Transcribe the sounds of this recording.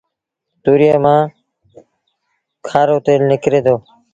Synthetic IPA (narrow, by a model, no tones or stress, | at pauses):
t̪uːɾijaːmãː | kʰaːɾoːt̪eːlnɪkɾeːd̪oː